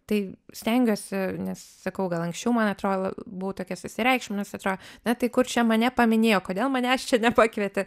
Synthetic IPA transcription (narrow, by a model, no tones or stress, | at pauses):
t̪ɐɪsʲt̪ʲɛŋʲɡʲoːsʲɪnʲɛssɐkɐʊɡɐlˠɐŋksʲt͡ʃʲɛʊmɐnɐt̪ɾoːlˠo̰bʊʋot̪oːkʲɛsʊsʲɪɾʲɛɪkʃʲɪmnʲɛsɐt̪ɾoːdnɐt̪ɐɪkʊrt͡ʃʲɛmɐnʲɛpɐmʲɪnʲeːjoːkoːd̪ʲeːlˠmɐnʲɛɐʃt͡ʃʲɛnʲɛpɑkʋʲiɛt̪ʲɪ